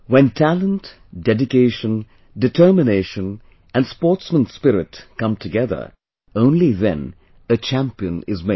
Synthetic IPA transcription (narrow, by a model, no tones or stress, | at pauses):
wɛ̃ntʰælə̃nt | dɛdɪkeɪʃə̃n | dɨtʰɜ˞mɪneɪʃə̃n | ʔæ̃nspɔːɹtsmə̃nspɪɾɪtkʌ̃mtʰɨɡɛðə̰˞ | õʊ̃nliðɛ̰̃n | ət͡ʃæ̃mpiɨ̃nɪzme